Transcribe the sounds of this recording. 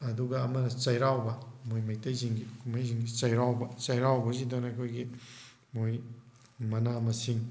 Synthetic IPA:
ɐduɡɐːmɐnɐt͡ʃɐjɾawbɐmojmajtɐjziŋɡikumajziŋɡit͡ʃɐjɾawbɐt͡ʃɐjɾawbɐzidɔnɐkʰojɡi | moj | mɐnamɐsiŋ

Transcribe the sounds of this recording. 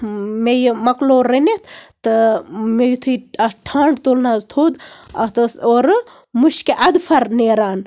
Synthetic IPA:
mejmɐkloːɾːenet̪ʰt̪ɨmejut̪ʰuiɐsʈʰaːɳɖt̪oːlnaːzt̪ʰoːd̪ɐt̪ɨsoːɾ | muʃkeʔɐd̪fʰɐɾneːɾaːn

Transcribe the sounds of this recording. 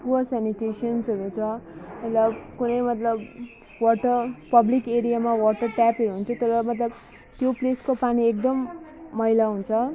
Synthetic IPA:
puʌsaniʈesʌnsʌɾut͡sʰʌmʌt̪lʌbkunʌjmʌt̪lʌb | wɔʈʌrpʌblikeɾijamawɔʈʌrʈapʌɾuɦunt͡sʰʌt̪ʌɾʌmʌt̪lʌb | t̪jopleskopaniek̚d̪ʌmːʌɦilaɦunt͡sʰʌ

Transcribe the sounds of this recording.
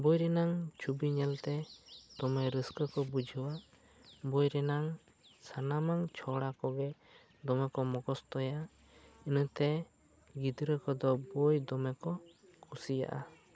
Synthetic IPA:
bɔjɾɛnaŋt͡ʃʰubiɲɛlt̪ɛt̪ɔmɛɾəskəkɔbud͡ʒʱəwaʔ | bɔjɾɛnaŋ | sanamaŋt͡ʃʰɔɽakɔɡɛ | d̪ɔmɛkɔmɔɡɔst̪ɔja | inət̪ɛ | ɡid̪ɾəkɔd̪ɔbɔjd̪ɔmɛkɔkʰusija̰ʔa

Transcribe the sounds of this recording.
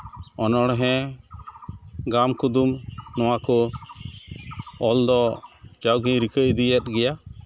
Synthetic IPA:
ɔnɔɽɦɛ̃ | ɡamkud̪umnɔwakɔ | ɔld̪ɔd͡ʒawɡĩɾikəʔd̪ijɛt̪̚ɡɛja

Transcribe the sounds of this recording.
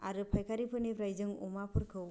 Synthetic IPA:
aɾɯpʰajkʰaɾipʰɯnipʰɾajd͡ʒɯŋumapʰɯɾkʰɯw

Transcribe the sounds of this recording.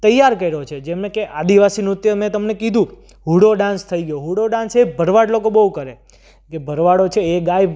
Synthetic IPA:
t̪əjːaɾkəiɾot͡ʃʰed͡ʒemnekeʔad̪iʋasinut̪jəmẽt̪əmnekid̪ʱũ | ɦuɽoɖãnst̪ʰəiɡəjoɦuɽoɖãnsebʱəɾʋaɖlokobəɦũkəɾe | kebʱəɾʋaɽot͡ʃʰeːɡajb

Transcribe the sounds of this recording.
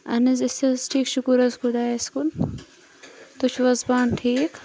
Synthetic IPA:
ɐ̰nizɪsɐzʈʰiːkʃukuɾɐzkud̪aːskul | t̪ut͡ʃʰʋɐzbaːnʈʰiːk

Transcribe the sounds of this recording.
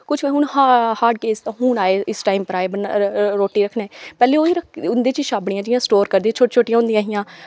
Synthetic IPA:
kʊt͡ʃʰkeɦũːɳhahaːɾɖkeːst̪ãːɦuːnaːeːɪsʈaːimpəɾaːeːbənɾoːʈːiːɾəkʰneːpɛːleːoːiːɾəkʰʊnd̪eːt͡ʃiːʃaːbɽɪjãːd͡ʒɪjãːsʈoːɾkəɾd̪ĩːt͡ʃʰoːʈt͡ʃʰoːʈɪjãːʊnd̪iãːɦɪjãː

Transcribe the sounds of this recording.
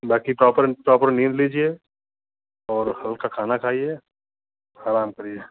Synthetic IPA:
baːkipɾɔːpəɾpɾɔːpəɾnĩːnd̪liːd͡ʒie | ɔːɾhɐlkakʰaːnakʰaːie | aːɾaːmkɐɾie

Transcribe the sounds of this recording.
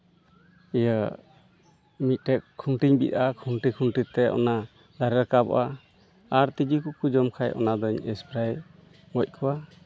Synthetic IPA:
ɛjə | mit̪̚ˀʈɛkkʰːunʈiɲbit̪̚akʰuɳʈikʰuɳʈit̪ɛʔɔ̰na | d̪aɾɛɾkabɔ̰ʔaː | ɾt̪id͡ʒikukud͡ʒɔmkʰajʔɔ̰nad̪ɔɲɛspɾaj | ŋɔc̚kʰɔwa

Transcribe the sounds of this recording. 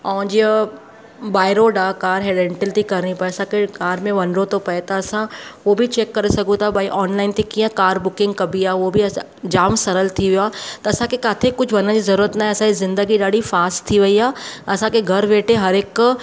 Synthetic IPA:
ɔːd͡ʑi | baːɪɾoɖakaːɾɦeːɖẽːɳʈɪlt̪ikɐɾnipɐeɐsãkekaːɾmẽʋɐnɾot̪opɐet̪ɐːsãʋobʱit͡ɕeːkːɐɾesɐɡʱũt̪ʰabʱaːiʔɔːnlaːɪnt̪ʰekĩːə̃kaːɾbʊkɪ̃ŋɡkɐbʱiaːʋobʱiɐ | d͡ʑaːmsɐɾəlt̪ʰiʋijoaːt̪ɐɐsãkekaːt̪ʰekʊt͡ʃʰʋɐnə̃d͡ʑizɐɾuːɾət̪naːɦẽɐsãizɪ̃nd̪əɡiɗaːɽifaːsʈt̪ʰːiʋɐiaːɐsãkeɡʱɐɾʋeːʈʰeɦɐɾeːk

